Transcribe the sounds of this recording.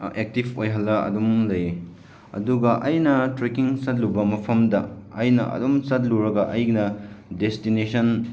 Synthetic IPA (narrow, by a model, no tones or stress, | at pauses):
ek̚tibʰojɦɐlːɐɐ̰dumlɐje | ɐ̰duɡɐʔɐjnɐtɾekiŋsɐt̚lubɐmɐpʰɐmdɐɐjnɐ̰ʔɐ̰dumsɐt̚luɾɐɡɐʔɐjnɐdestinesʰɐn